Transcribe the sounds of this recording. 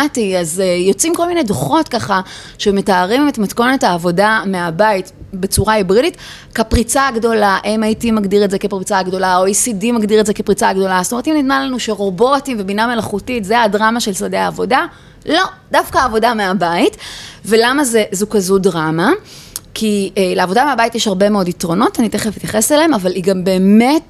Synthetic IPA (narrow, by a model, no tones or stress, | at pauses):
tiazejo̞t͡simko̞lminejdoχo̞tkaχa | ʃeme̞taːʁimetmatko̞nethaːvo̞dameabaitbe̞t͡suʁaibʁidit | kapʁit͡saɡdo̞laʔejmaitimaɡdiʁetzekepʁit͡saɡdo̞laojisidimaɡdiʁetzekepʁit͡saɡdo̞lastomtimnidmanlanuʃeʁo̞bo̞timvebiname̞laχutitzeadʁamaʃelsadeaːvo̞da | lo̞dafkaːvo̞dameabaitvelamazezukazudʁama | kʰieleavo̞dameabaitjeʃhaʁbe̞meo̞ditʁo̞no̞taniteχefitjaχeselaemavaliɡambe̞ːmet